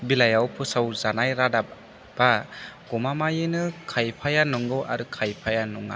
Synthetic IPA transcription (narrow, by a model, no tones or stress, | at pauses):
bilajawpʰɯsawzanajɾada | b̥aɡɔmamajɯnɯkʰajpʰajanɔŋɡɯwa̰ɾɯkʰajpʰajanuŋa̰